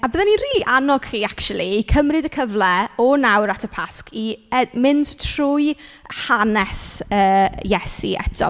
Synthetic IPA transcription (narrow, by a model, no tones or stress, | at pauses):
abəðɛninriːliʔanɔɡ̥χiːakt͡ʃulˠiːkʰəmrɨdəkʰəvlɛɔnawɾatʰəpʰaskʰimɪnd̥tʰr̥ʊjhanɛsəːjɛsḭɛ̰tʰɔ̰